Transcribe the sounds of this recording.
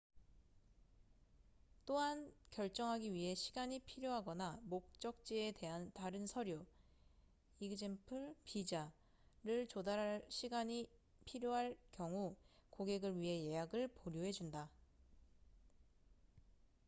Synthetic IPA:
t͈oɦankjʌɭt͡ɕ͈ʌŋɦaɡiɥiɦe̞ɕʰiɡaɲipʰiɾjoɦaɡʌnamok̚t͡ɕ͈ʌk̚t͡ɕ͈iede̞ɦantaɾɯnsʰʌɾjo | iɡɯd͡ʑimpʰɯɭpid͡ʑa | ɾɯɭt͡ɕodaɾɦaɭɕʰiɡaɲi | pʰiɾjoɦaɭkjʌŋukoɡe̞ɡɯɭɥiɦe̞je̞jaɡɯɭpoɾjoɦe̞d͡ʑunda

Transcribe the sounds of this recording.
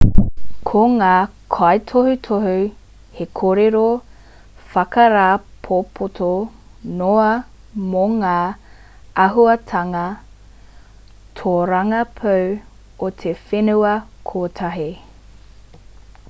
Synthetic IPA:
kʰoŋaːkʰɐjtʰohʉtʰoɦʉ | hekʰoɾeɾo | fɐkɐɾaːpʰopʰotʰo | noɐ | moŋaː | ɐɦuɐtʰɐŋɐ | tʰoɾɐŋɐpʰɐw | ot̪ʰefenuɐkʰoːtʰɐɦi

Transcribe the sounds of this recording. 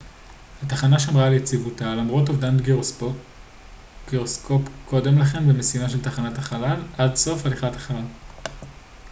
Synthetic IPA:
hataχanaʃamʁalejt͡sivutalamʁo̞tovdant̪ɡi | ɡiʁosko̞pko̞de̞mlaχe̞mbemesimaʃe̞ltaχanataχalalʔadso̞faliχatḁχala

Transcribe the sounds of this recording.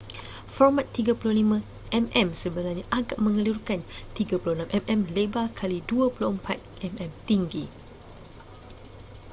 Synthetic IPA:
fɔrmat̪ːiɡapulolimə̃ | ʔɛmɛ̃msəbənarɲaʔaɡaʔ̚mə̃ŋəlurkant̪iɡapulohnãmʔɛmʔɛmlebakʰaliduapuloəmpat̪̚ʔɛmɛ̃mt̪iŋɡi

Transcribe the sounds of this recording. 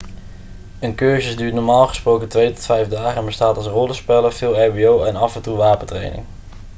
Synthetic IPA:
ənkøːɹzəsdyːtnɔɹmaːlˠχə̥sprowkətʋejtɔ̥tfɛjvdaːχənbəstaːtɑlˠsrɔləspɛləfɪːlˠɛɹbiowɛnɑfɛntuʋaːpətrḛjnɪ̰ŋ

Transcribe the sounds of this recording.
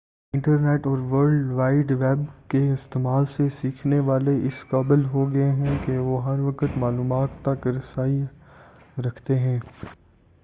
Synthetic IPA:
ɪ̃ɳʈəɾneːʈɔːɾʋəɾɖʋaːɪɖʋɛːbkeɪst̪eːmaːlsesiːkʰneʋaːleɪskaːbəlɦoɡɐeɦɛ̃keʋoɦɐɾʋɐkət̪maːluːmaːt̪ːɐkɾɐsaːi | ɾɐkʰt̪eɦɛ̃ː

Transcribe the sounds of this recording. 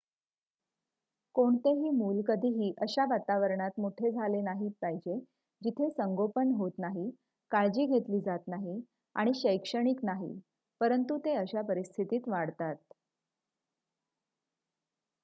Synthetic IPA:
koɳt̪eɦiːmuːlkəd̪ʱiːɦiːʔəɕaʋat̪aʋəɾɳat̪muʈʰed͡zʱalenaɦiːpaɦid͡ʑe | d͡ʑit̪ʰesəŋɡopənɦot̪naɦi | kaɭd͡ʑiːɡʱet̪liːd͡zat̪naɦi | a̰ɽ̃iɕəjkʂəɽ̃iːknaɦḭ | pəɾənt̪ut̪eəɕapəɾist̪ʰit̪iːt̪ʋaɽt̪at̪̚

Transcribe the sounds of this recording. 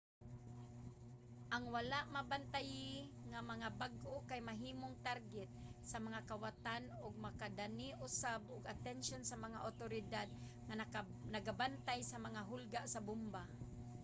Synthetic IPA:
ʔaŋwalaʔmabant̪ajɪŋamaŋabaɡʔokajmaɦiːmoŋt̪aɾɡɛt̪̚samaŋakawat̪anʊɡ̚makad̪aniʔʊsabʔʊɡat̪ɛnʃonsamaŋaʔʊt̪oɾɪd̪ad̪̚ | ŋanaɡabant̪ajsamaŋaɦʊlɡaʔsabʊmba

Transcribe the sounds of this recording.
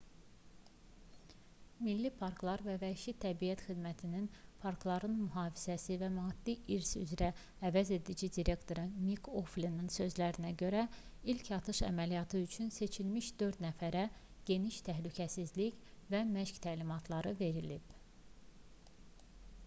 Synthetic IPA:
milːipʰɑɾklˠɑɾvævæʃit̪ʰæbiæt̪xid̪mæt̪ʰininpʰɑɾklˠɑɾɯnmyɦɑːvi̥z̥æsivæmɑːd̪̥ːiʔiɾsy̰zɾæː | væze̞d̪id͡ʒid̪iɾe̞kt̪ʰo̞ɾɯmikʰoflininsø̞zlæɾinæɟø̞ɾæilcʰɑt̪ʰɯʃæ̰mælijɑt̪ʰɯyt͡ʃʰynse̞t͡ʃʰilmiʃd̪̥ø̞ɾd̪næfæɾæ | ɟ̥e̞niʃt̪ʰæɦlycʰæsizlicvæmæʃct̪ʰælimɑt̪ʰlˠɑɾɯve̞ɾilib̥̚

